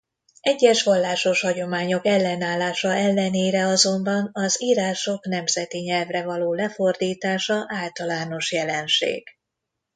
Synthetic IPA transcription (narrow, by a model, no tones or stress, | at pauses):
ɛɟːɛʃʋɒlːaːʃo̞ʃhɒɟo̞maːɲo̞kɛlːɛnaːlːaːʃɒɛlːɛneːɾɛɒzo̞mbɒnɒziːɾaːʃo̞kn̪ɛmzɛt̪iɲɛlvrɛvɒloːlɛfo̞rd̪iːt̪aːʃɒʔaːlt̪ɒlaːno̞ʃjɛlɛnʃḛːɡ̥